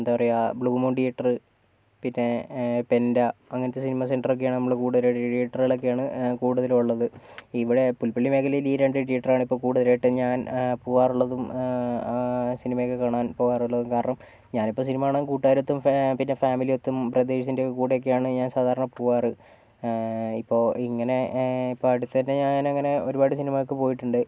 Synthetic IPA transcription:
end̪aːpɐrɐjabɭuːmuːɳɖijɐʈːɐrɨ | pinːe̞pe̞ndɐɐŋːɐnɐt̪ːesinimɐse̞ɳɖɐrokːejaːɳɨnɐmːuɭekuːɽuðɐɾajʈːʈijɐʈːɐrɣɐɭok̬ːejaːɳɨkuːɽuðɐluɭːɐðɨ | iʋiɽepulpɐlːime̞ːkʰɐlɐjiliːɾeɳɖɨʈijɐʈːɐraːɳɨipːo̞ːkuːɽuðɐlaːjʈːɨɲaːnpoːaːruɭːɐðum | sinimɐjokːekaːɳaːnpo̞ːɣaːruɭːɐðumkaːɾɐɳɐm | ɲaːnipːo̞ːsinimaːɳɐkuːʈːaːjɾot̪ːumpinːe̞faːmilio̞t̪ːumprɐd̪eːɕɐsindekuːʈejokːejaːɳɨɲaːnsaːd̪ʱaːɾɐɳɐpoːɣaːrɨ | ipːo̞ːiŋːɐne̞ipːoːɐɽut̪ːɐðinːeɲaːnɐŋːɐne̞o̞ɾubaːɽɨsinimajok̬ːɨpo̞ːjiʈːuɳɖɨ

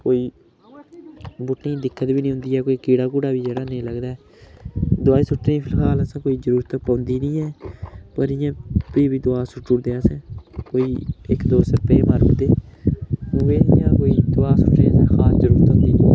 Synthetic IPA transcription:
koːiː | bʊʈnĩːd̪ɪkʰːət̪biːnĩɦʊ̃nd̪iːɛːkoːiːkiːɽaːk̬uːɽaːʋiːd͡ʒeːɽaːnẽːləɡd̪aːɛː | d̪ʊaːiːsʊʈɾĩːpʰɪlɦaːləsãːkoːiːzəɾuːɾət̪əpãːnd̪iːnĩːɛːpəɾɪjãːpiːbiːd̪ʊaːsʊʈːʊɾd̪eːasɛ̃ːkoːiːɪkd̪oːsəɾpeːməɾɡd̪eː | uʋeːnɪːjãːkoːiːd̪ʊaːsʊʈeːsɛ̃ːkʰaːsd͡ʒəɾuːɾət̪ə̃nd̪iːnĩː

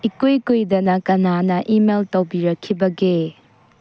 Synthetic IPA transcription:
ikujkujdɐnɐkɐnanɐʔimeltɐwbiɾɐkʰːibɐɡe

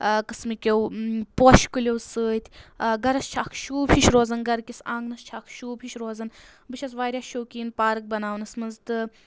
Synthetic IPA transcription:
kɨsmikʲewpoːʃkulʲowsɨːt̪ʰʲɡɐɾɐst͡ʃʰaːkʰʃuːbhiʃɾoːzɐnɡɐɾkʲisãːŋɡnɐst͡ʃʰaːkʰʃuːbʲɦiʃɾoːzɐn | bɨʃʰɐsʋaːɾʲjaːʃoːkiːnpaːɾɨk̚bɐnaːwnɐsmɐnzt̪ɨ

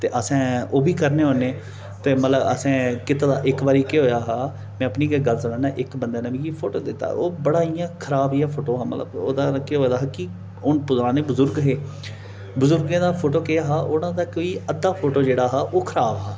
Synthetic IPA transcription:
t̪eːʔəsɛ̃ːoːbʱiːkəɾneːɦoːneː | t̪eːmət̪ləbə̰sɛ̃ːkɪt̪aːd̪a̰ːʔɪkbaːɾiːkeɦoːjaːɦaː | mɛ̃ːəpniːkeːɡəlsənãːnãːʔɪkbənd̪aːnãːbĩːkipʰoːʈoːd̪ɪt̪ːa̰ːoːbəɽaːijãːkʰəɾaːbiːaːpʰoːʈoːɦaːmə̰t̪lə̰bo̰ːd̪aːkeɦoːd̪aːɦːkiː | ʊnpʊzɾãːneːbʊzʊɾɡɦeː | bʊzʊɾɡẽːd̪aːpʰoːʈoːkɪaːɦaːʔʊnãːd̪aːkoːiːəd̪ːaːpʰoːʈoːd͡ʒeːɽaːɦaːʔoːkʰəɾaːbɦaː

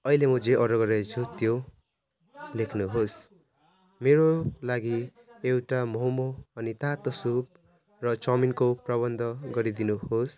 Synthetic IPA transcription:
ʌilemʌd͡zeʔʌɾʌɡʌɾet͡sʰut̪jo | lekʰnuɦos | meɾolaɡi | ewʈamʌɦmoːnit̪at̪ʌsub̚ | rʌt͡sʌminkoprʌβʌnd̪ʱʌɡʌɾid̪inuɦos

